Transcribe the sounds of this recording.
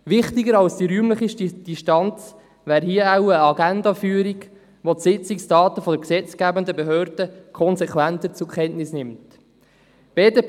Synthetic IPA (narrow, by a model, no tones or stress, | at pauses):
ʋɪχtɪɡəɾɑlsd̥iɾyːmləχɪʃtid̥iʃtɑnt͡s | ʋæːɾɦiəawəɑɡændɑfyːɾiɡ | ʋotsɪt͡sɪksd̥ɑːtəfɔdəksɛt͡sɡ̥æːbəndəbeɦøːɾd̥əkʰɔnsɛkwænt̪ət͡sʊkʰɛntnɪsnɪmt | b̥eːdeː